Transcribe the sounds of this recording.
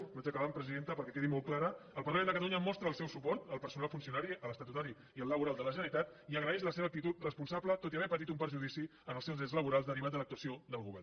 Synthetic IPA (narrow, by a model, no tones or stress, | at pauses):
βad͡ʒəkəβampɾəziðent̪əpəɾkɛkeðimɔlt̪̚klaɾəəlpəɾləmendəkət̪əluɲəmɔst̪ɾəːlˠsɛwsupɔɾt̪əlˠpəɾsunalˠfunsiunaɾiələst̪at̪ut̪aɾi | iəlːəβuɾalˠd̪ələʒənəɾit̪at̪iəɣɾəɛʃləseβək̚t̪it̪ut̪rəspunsablət̪ot̪̬iəβɛpət̪it̪umpəɾʒuðisiənəlˠsɛwzɛzləβuɾalˠzd̪əɾiβat̪d̪ələk̚t̪uəsiod̪əlˠɣuβɛr